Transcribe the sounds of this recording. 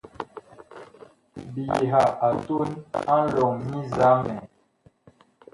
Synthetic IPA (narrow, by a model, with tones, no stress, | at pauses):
bi˨je˨ɦa˨a˨to˦na˦n̩˦lɔ˨ŋmi˦za˨˦mɛ˨